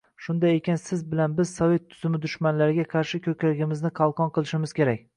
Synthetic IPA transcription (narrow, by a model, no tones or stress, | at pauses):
ʃʊnd̪ajekʲansɪzbɪlanbɪz̥sɒve̞t̪ʰːʊz̥ɪmɪd̪ʊʃmanlaɾɪɡʲaqʰɑɾʃɪkʲʰɵkʲalɪɡʲɪmɪznɪqʰɑlˠqʰɒnqɨlˠɪʃɪmɪz̥kʲe̞ɾakʲ